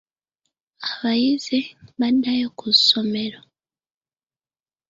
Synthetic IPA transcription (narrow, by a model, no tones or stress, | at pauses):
aβajizeβandajekusomeɾo